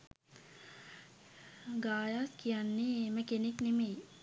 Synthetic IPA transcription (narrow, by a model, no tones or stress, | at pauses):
ɡaːjaskijanːeeməkeneknemej